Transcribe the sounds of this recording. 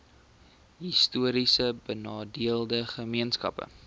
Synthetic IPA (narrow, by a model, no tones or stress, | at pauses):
ɦistuəɾisəbənɑːdiəlˠdəχəmiənskɐ̰pə̰